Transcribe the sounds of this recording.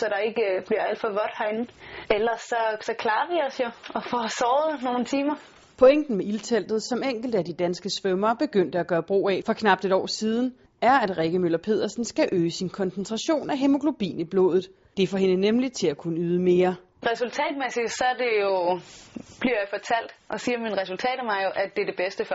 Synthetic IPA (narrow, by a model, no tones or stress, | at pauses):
sɒ̽ɾ̥ɑ̈e̝ɡ̥əb̥liɐæl̰d̥fɒʋɒd̥hɑɪnelɐsːɒ̽sɒ̽kʰlɑ̈ːʋiɒ̽sjo̝ɒfɒsɒːð̩ˠno̝ːn̩t͡sʰiːmɐ | pʰo̽eŋ̰d̥n̩meilt͡sʰel̰d̥ð̩ˠsɒ̽meŋ̰ɡ̥l̩d̥əædid̥ænsɡ̥əsʋœmɐːb̥e̝ɡ̥øn̰d̥əæɡ̥ɶːɐb̥ʁo̝̰ːɛfɒ̽kʰnɑ̈b̥̚d̥e̝ɾɒ̰ːsiːð̞ˠn̩ | æɐæd̥ʁeɡ̥əmølɐpʰe̝̰ð̞̰ˠɐsn̩sɡ̥æʔøːsinkʰɒ̽nsnt͡sʰʁɑɕo̝̰ːnæɦemo̝ɡ̥ʰlo̝b̥ḭːnib̥lo̝̰̽ːðˠð̩ˠ | d̥e̝fɒɦe̝nənemlit͡sʰe̝lækʰunəyːð̞ˠəme̝ːɐ | ʁɛsult͡sʰɛ̰ːd̥̚mesid̥sɒ̽æɐd̥e̝jo̝ | b̥liɐjɑ̈ɪfɒt͡sʰæl̰d̥ʔɒ̽siːɐminʁɛsult͡sʰɛ̰ːd̥mɑ̈ɪjo̝ʔæd̥e̝ɐd̥e̝b̥esd̥əf